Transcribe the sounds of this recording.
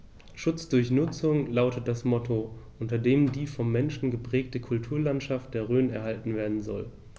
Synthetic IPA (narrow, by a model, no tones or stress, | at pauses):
ʃʊt͡sd̥ʊɐçnʊt͡sʊŋlaʊtət̚d̥asmɔtʰoʔʊntɐdeːmdiːfɔmːɛnʃn̩ɡəpʁ̥ɛːk̚təkʰʊltʰuːɐlantʃaft̚d̥eːɐʁøːnɛ̰ɐɦhaltn̩veːɐdn̩zɔ̰l